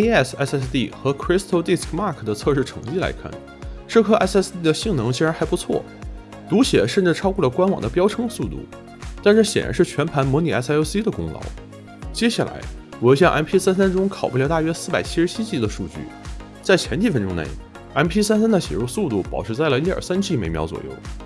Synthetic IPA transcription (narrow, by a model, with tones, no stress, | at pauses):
e˥ɛ˥˩sɛ˥sɛ˥˧st̪i˥˩xɤ˧˥kʰɹi˥st̪ʰo˥ʊt̪i˥˩skʰma˥˧˩kʰə˩d̪ə˩t͡sʰɤ˥˧ʂɻ̩˥˩ʈ͡ʂʰɤ˧˥ŋt͡ɕi˥˩la̰˧˥ɪkʰa̰˥˩n | ʂɻ̩˥˧kʰɤ˥ʔɛ̰˥sɛ˥st̪i˥˩d̪ə˩ɕi˥˩ŋnɤ˧˥ŋt͡ɕʰi˧˥ɻa˧˥nxa˧˥ɪpu˧˥t͡sʰwɔ̰˥˩ | t̪u˧˥ɕjɛ˨˩ʂə˥˧nʈ͡ʂɻ̩˥˩ʈ͡ʂʰɑ˥kwɔ˥˩lə˩kwa˥nwɑ̰˨˩ŋd̪ə˦pjɑ˥ʊʈ͡ʂʰɤ˥ŋsu˥˧t̪ṵ˥˩ | t̪a˥˧nʂɻ̩˥˩ɕjɛ̰˨˩nɻa̰˧˥nʂɻ̩˥˩t͡ɕʰɥɛ˧˥npʰa˧˥nmwɔ˧˥ni˨˩ɛ˧˥so˥st̪i˥d̪ə˨kʊ̰˥ŋlɑ̰˧˥ʊ | t͡ɕjɛ˥ɕa˥˩la̰˧˥ɪ | wɔ˨˩jo˧˩ɕjɑ˥˩˧ʔa̰˧˥˩npʰi˥sa˥nsa˥nʈ͡ʂʊ˥ŋkʰɑ˨˩ʊpu˧˥ljʊt̪a˥˩ɥɛ˥sɹ̩˥˩pa˨˩ɪt͡ɕʰi˥ʂɻ̩˧˥t͡ɕʰi˥t͡ɕi˧˥d̪ə˨ʂu˥˧t͡ɕy̰˥˩ | t͡sa˥˩ɪt͡ɕʰjɛ˧˥nt͡ɕ̪ʰi˧˩fə˥nʈ͡ʂʊ˥ŋnḛ˥˧˩ɪ | ɛ˥˩npʰi˥sa˥ns̬a˥nd̪ə˨ɕjɛ̰˨˩ɻu˥˧su˥˧t̪u˥˩pɑ˨˩ʊʈ͡ʂ̩ʰ˧˥t͡sa˥˩ɪlə˩i˥ə̰˞˨˩sa˥nt͡ɕi˥˩me˧˥ɪmjɑ˧˥ʊt͡swɔ̰˨˩jo̰˥˩ʊ